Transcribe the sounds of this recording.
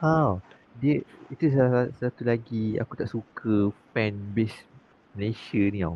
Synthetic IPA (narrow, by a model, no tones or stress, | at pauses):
aw | diəit̪usasat̪ulaɡia̰kut̪aʔsukʰəpɛ̃nbes | məleʃənĩaw